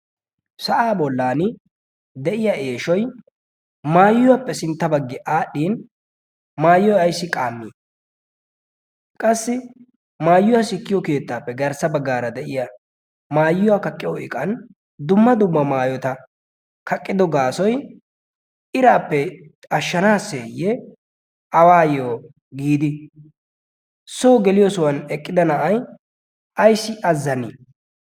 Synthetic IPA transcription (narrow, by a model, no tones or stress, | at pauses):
sɐʔaːbɔlːaːnɪ | d̪ɛʔɪjɐʔe̞ːʃɔj | maːjːʊwapːɛsɪnt̪ːɐbɐɡːɪʔaːɗːiːn | maːjːɔjɐjsːɪkʼaːmːiː | kʼɐsːɪ | maːjːʊwasɪkːɪjɔke̞ːt̪ːaːpːɛɡɐɾsɐbɐɡːaːɾɐd̪ɛʔɪjɐ | maːjːʊwakɐkʼːɪjɔɪkʼɐn | d̪ʊmːɐd̪ʊmːɐmaːjɔt̪ɐ | kʰɐkʼːɪd̪ɔɡaːsɔj | ɪɾaːpːɛ | ɐʃːɐnaːseːjːɛ | ɐwaːjoː | ɡiːd̪ɪ | soːɡɛlɪjɔsɔwɐnɛkʼːɪd̪ɐnɐʔɐj | ʔɐjsɪʔɐzːɐni